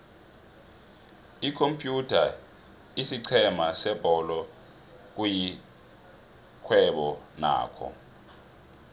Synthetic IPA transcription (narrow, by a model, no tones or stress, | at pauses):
ikʰompʼjutʰa | isiǀʰɛmasɛb̥ʱɔlɔ | k̬uji | kʰwɛɓɔna̰ːkʰɔ̰